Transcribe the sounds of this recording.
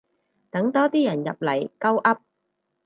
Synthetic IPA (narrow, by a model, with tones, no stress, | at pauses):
t̪ɐ˨˥ŋt̪ɔː˥t̪iː˥jɐ˨˩njɐ̰˨p̚lɐ˨˩jkɐ˥wʔɐ˥p̚